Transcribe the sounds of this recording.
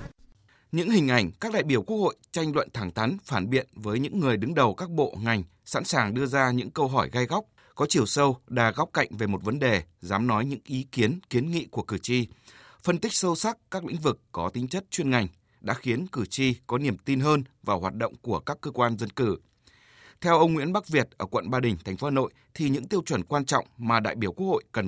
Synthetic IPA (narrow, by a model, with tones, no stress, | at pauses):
ɲɨ̰˧˥ŋhï˨˩ŋ̟ʔa˧˩jŋ̟kaː˦˥k̚ɗa̰ː˧˨jɓi˧˩əku˦˥ək̚ho̰˧˨jt͡ɕa˧jŋ̟lwə̰˧˨nt̪ʰaː˧˩ŋt̪ʰa˨˦nfaː˧˩nɓḭ˧˨ənvəː˨˦jɲɨ̰˧˥ŋːɨ˨˩əjɗɨ˨˦ŋɗə˨˩wkaː˦˥k̚ɓo̰˧˨ŋa˨˩jŋ̟ | sa̰˧˥nsaː˨˩ŋɗɨ˧əzaː˧ɲɨ̰˧˥ŋkə˧wɦɔ˧˩jɣa˧jɣa˦˥wk͡p̚ | kɔ˨˦t͡ɕi˨˩əwsə˧wɗaː˨˩ɣa˦˥wk͡p̚ka̰˧˨jŋ̟ve˨˩mo˨˩t̚və˨˦nɗe˨˩zaː˨˦mnɔ˨˦jɲɨ̰˧˥ŋʔi˨˦ki˨˦ənki˨˦ənŋḭ˧˨ku˧˩əkɨ˧˩t͡ɕi˧ | fə˧nt̪ï˦˥k̚sə˧wsa˦˥k̚kaː˦˥k̚lḭ̈˧˥ŋ̟vɨ˨˩kːɔ˨˦t̪ï̟˨˦t͡ɕə˦˥t̚t͡ɕwi˧ənŋa˨˩jŋ̟ | ɗa̰ː˧˥xi˨˦ənkɨ˧˩t͡ɕi˧kɔ˨˦ni˨˩əmt̪i˧nɦəː˧nvaː˨˩wɦwaː˨˩t̚ɗo̰˧˨wŋ͡mku˧˩əkaː˦˥kːəː˧kwaː˧nzə˧nkɨ˧˩ | t̪ʰɛ˧wʔə˧wŋ͡mŋwḭ˧˥ənɓa˦˥k̚vi˨˩ət̚ʔəː˧˩kwə̰˧˨nɓaː˧ɗï˨˩ŋ̟t̪ʰa˨˩ŋ̟fo˨˦aː˨˩no̰˧˨jt̪ʰi˨˩ɲɨ̰˧˥ŋt̪i˧əwt͡ɕwə˧˩nkwaː˧nt͡ɕɔ̰˧˨wŋ͡mmaː˨˩ɗa̰ː˧˨jɓi˧˩əku˦˥ək̚ho̰˧˨jkə˨˩n